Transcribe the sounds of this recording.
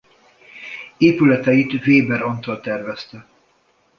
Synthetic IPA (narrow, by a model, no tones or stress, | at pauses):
eːpylɛt̪ɛjit̪veːbɛɾont̪olt̪ɛrvɛst̪ɛ